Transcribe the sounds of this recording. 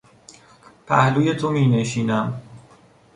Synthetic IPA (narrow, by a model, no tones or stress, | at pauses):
pʰæhluːje̞t̪ʰomiːne̞ʃiːnæm